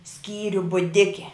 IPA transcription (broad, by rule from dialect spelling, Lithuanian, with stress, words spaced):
ˈsʲkʲiːrʲʊ bʊˈdʲɪkʲɛ